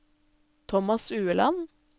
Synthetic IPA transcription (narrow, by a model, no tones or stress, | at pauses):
t̪ʰɔmɑsʉːəlɑ̰n